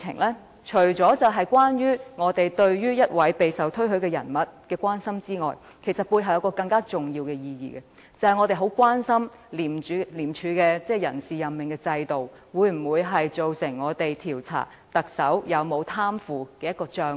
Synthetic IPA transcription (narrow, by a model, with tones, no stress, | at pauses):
ɪ̰˨˩ŋlɛː˥ | t͡ʃʰɵ˨˩ɥt͡sɔː˨˥t͡sɐ˨wɦɐ˨jkʷwaː˥njyː˥ŋɔː˨˧t̪e˨jt̪ɵ˧ɥjyː˥jɐ˥t̚wɐ˨˥jpe˨jsɐ˨wt̪ʰɵ˥ɥɦɵ˨˥ɥkɛː˧jɐ̰˨˩nmɐ˨t̚kɛː˧kʷwaː˥nsɐ˥mt͡siː˥ŋɔ̰ː˨˩j | kʰe˨˩sɐ˨t̚puː˧jɦɐ˨wjɐ˧wkɔː˧kɐ˧ŋkaː˥t͡sʊ˨˩ŋjiː˧wkɛː˧jiː˧jḭː˨˩ɡɛ˧ | t͡sɐ˨˧whɐ˨jŋɔ˨˧t̪e˨jɦo˨˥wkʷaː˥nsɐ˥m | liː˨˩myː˨˧liː˨˩mt͡ʃʰyː˨˧˥kɛː˧t͡sɛː˥˩jɐ̰˨˩nsiː˨jɐ˨mmɪ˨ŋkɛː˧t͡sɐ˧jt̪o˨˩w | wuː˨˧jm̩˨˩wuː˨˧jɦɐ˨jt͡so˨wsɪ˨˩ŋŋɔː˨˧t̪e˨jt̪ʰiː˨˩wt͡sʰa̰ː˨˩ | t̪ɐ˨k̚sɐ˨˥wjɐ˨˧wmo˨˧wt̪ʰaː˥mfuː˨kɛː˧jɐ˥t̚kɔː˧t͡ʃœː˧